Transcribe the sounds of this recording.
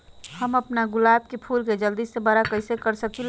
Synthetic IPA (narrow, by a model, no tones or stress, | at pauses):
həməpnaɡʊlaːb̚kepʰuːlked͡ʒəld̪iːsːebaɾakəɪsekəɾsəkil